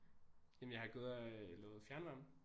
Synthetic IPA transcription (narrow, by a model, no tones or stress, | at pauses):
jemnjɑ̈ɪhɑ̈ɡ̥oð̰ˠælɛ̰ːʊð̩ˠfjæɐnʋɑmn̩